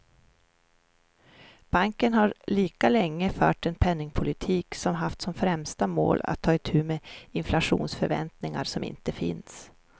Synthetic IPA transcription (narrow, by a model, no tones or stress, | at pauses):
b̥aŋkənɦaɾɭiːkalɛŋːəfœ̰ːʈɛnpʰɛnːɪŋpʰʊlɪt̪ʰiːksɔmɦaft̪sɔmfɾɛmst̪amo̰ːla̰t̪ʰːɑːɪt̪ʰʉ̟ːmeːɪnflaɧṵːnsfœɾvɛ̰nt̪nɪŋa̰ɾsɔmɪ̰nt̪əfɪ̰ns